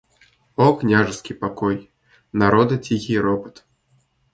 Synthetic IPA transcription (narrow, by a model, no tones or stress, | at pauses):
ɔknʲaʐɨskʲipakɔj | naɾɔd̪ɐt͡sʲixʲiɾɔpɨ̥t̪